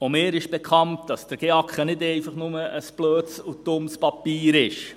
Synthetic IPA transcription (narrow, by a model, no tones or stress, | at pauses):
ʊmɪːɾɪʃb̥ɛkχɑnt̚d̥ɑsd̥əɾɡ̥eɑkχənɪdɛɪfɑχnʊməʔəsb̥løːtsutʊmspɑpiːɾɪʃ